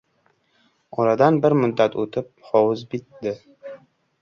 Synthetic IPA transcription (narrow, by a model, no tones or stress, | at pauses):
ɒɾad̪anbɪɾmʊd̪ːat̪ɵt̪ʰɪp̚hɒwʊzbit̪d̪ɪ